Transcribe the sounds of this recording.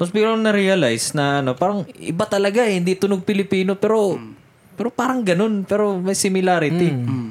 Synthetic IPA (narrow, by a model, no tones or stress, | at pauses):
posbiɾoŋnɐɾiɐlajsnɐʔɐno̞paːɾɐŋʔɪ̰bat̪ɐlɐɡahɪnd̪it̪ʊnoɡ̚pɪlɪpiːno̞pɛːɾo̞ | pɛːɾo̞paːɾɐŋɡɐno̞npɛːɾo̞mɐjsɪmɪlaːɾɪt̪ɪ